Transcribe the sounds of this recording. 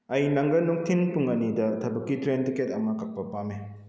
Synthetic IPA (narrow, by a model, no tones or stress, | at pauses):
ɐjnɐŋɡɐnɔŋtʰinpuŋɐnidɐtʰɐbɐkːitɾentiket̚ɐmɐkɐk̚pɐpame